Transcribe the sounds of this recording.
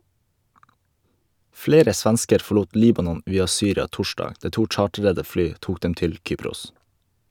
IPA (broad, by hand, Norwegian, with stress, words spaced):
ˈfleːɾə ˈsʋɛnskəɾ fɔˈɭuːt ˈliːbɑnɔn ˈʋiːɑ ˈsyːɾɑ ˈtɔʃdɑːɡ ˈdæː ˈʈuː ˈt͡ʃɑːʈɾədə ˈflyː ˈtuːk ˈdɛm ˈtɪl ˈkyːpɾʊs